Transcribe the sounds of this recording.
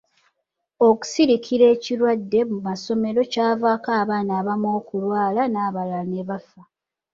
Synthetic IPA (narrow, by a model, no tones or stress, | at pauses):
o̞ku̥siɾikʰiɾe̞ːciɾwadːe̞mumaso̞me̞ɾo̞caːvaːkaːβaːnaːβamo̞ːkulwaːlanaːβalaneβafa